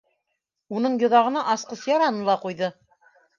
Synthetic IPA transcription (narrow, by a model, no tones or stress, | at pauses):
unɤɴjŏðɑʁɤ̆nɑʔɑsqɤsjɑɾɑnɤlˠɑqujðɤ